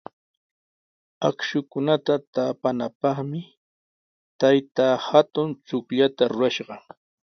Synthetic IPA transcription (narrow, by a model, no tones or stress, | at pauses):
akʃʊkʊnat̪at̪apanapɑχmɪ | t̪ajt̪aːhat̪ʊnt͡sʊkʎat̪aɾʊɾaʃɢɑ